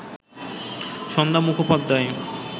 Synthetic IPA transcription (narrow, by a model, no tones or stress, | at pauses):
ʃɔnd̪amukʰopad̪ʱːae